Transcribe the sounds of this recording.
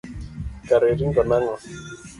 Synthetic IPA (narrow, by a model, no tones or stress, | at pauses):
kaɾeɾiŋɡɔnaŋɔ